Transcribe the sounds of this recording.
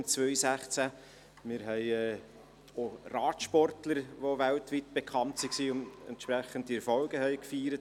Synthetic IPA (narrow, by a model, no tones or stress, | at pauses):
t͡sʋœjsæχt͡sæ | mɪɾɦɛɪɛː | orɑːtʃpɔrtləɾʋoʋæltʋitb̥ɛkʰχɑntsiksiːʊnɛ̰ntʃpɾɛχəntiɛɾfɔlɡəhɛɪkfiːɾət